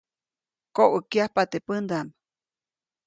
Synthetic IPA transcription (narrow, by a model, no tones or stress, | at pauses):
koʔəkjahpat̪epənd̪am